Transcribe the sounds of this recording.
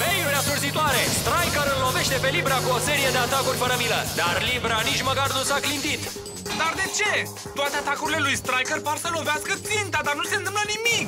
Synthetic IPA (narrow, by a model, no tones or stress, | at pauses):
vejluɾasursit̪oaɾe̞st̪ɾajkəɾɨllːo̞ve̞ʃt̪e̞pe̞libɾakuo̞se̞ɾije̞d̪e̞at̪akurʲpəɾəmiləd̪arlibɾanit͡ʃməkarnusaɡlind̪it̪ | d̪ard̪e̞t͡ʃe̞ | t̪oat̪e̞at̪akuɾile̞lujst̪ɾajkərparsəlo̞veaskət̪sint̪ad̪arnuse̞nt̪ɨmplənimik